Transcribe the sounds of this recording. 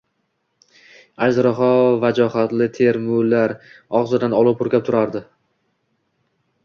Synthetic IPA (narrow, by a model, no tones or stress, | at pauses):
ad͡ʒɾaɦɒvad͡ʒɒɦat̪lɪt̪ʰe̞ɾmʊlaɾɒʁzɪd̪anɒlˠʊp̚ʰʊɾkʲap̚t̪ʰʊɾaɾd̪ɪ